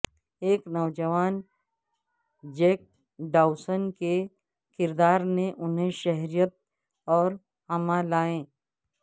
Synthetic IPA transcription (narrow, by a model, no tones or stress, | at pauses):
eːknɔːd͡ʒəʋaːn | d͡ʒeːk̚ | ɖaːʊsənke | kɪɾd̪aːɾnẽʔʊnɦẽʃɛɦɾijət̪̚ | ɔːɾ | hɐmãlaːẽː